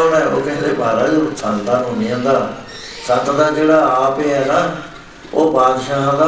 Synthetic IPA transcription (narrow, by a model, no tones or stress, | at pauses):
ɽaːo̰ːkɛ̃ːnd̪eːbʱaːɾaːd͡ʒosãnd̪ãːnɦõːnɪjãːd̪aː | sət̪d̪aːd͡ʒeːɽaːaːpeːɛːnaː | o̰ːpaːd̪ʃaːɦãːd̪aː